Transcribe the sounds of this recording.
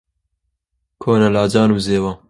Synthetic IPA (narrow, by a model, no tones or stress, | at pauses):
kʰoːnɐlaːd͡ʒaːnuːzeːwaː